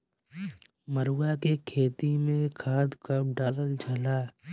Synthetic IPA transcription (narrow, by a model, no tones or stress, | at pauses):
məɾuwakekʰeːt̪imẽkʰaːd̪kəb̚ɖaːləld͡ʒʱəlaː